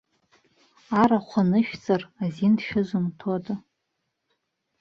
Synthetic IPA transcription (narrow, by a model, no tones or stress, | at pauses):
aɾaχʷanɨʃᶣt͡sʼarazindʃᶣɪʒʷɨmtʰodʼ